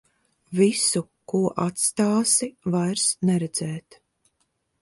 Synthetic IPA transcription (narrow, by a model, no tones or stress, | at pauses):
visu | kuɔʔat̪st̪aːsivajɾsnɛɾɛd̪z̥ɛːt̪